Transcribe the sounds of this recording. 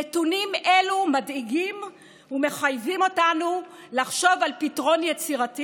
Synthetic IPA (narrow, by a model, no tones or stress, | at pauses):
etunimʔelumadiɡim | ume̞χajvimo̞tanu | laχʃo̞valpitʁo̞njet͡siʁati